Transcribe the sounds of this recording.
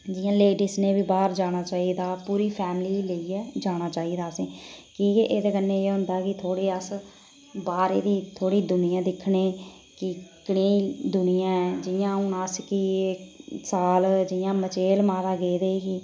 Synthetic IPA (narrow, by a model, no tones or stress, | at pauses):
d͡ʒɪjãːleːɖɪsneːbiːbaːɾd͡ʒaːɽ̃aːt͡ʃaːiːd̪aːpuːɾiːpʰɛːmliːləiːɛːd͡ʒaːɽ̃aːt͡ʃaːiːd̪aːsẽːkiːeːʔeːd̪eːkənːeːeːɦʊ̃nd̪aːkɪt̪ʰoːɽeːəs | baːɾḛːd̪iːt̪ʰoːɽiːd̪ʊnɪjãːd̪ɪkʰneː | kɪkɪɽeːd̪ʊnɪjãːɛːd͡ʒɪjãːʊnəskiesaːld͡ʒɪjãːmət͡ʃeːlmaːd̪aːɡeːd̪eːkiː